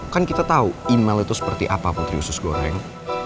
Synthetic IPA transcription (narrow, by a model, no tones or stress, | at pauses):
kankit̪at̪auinmɛlit̪usə̥pərt̪iʔa̰papʊnt̪ɾiusʊsɡoɾɛ̰ŋ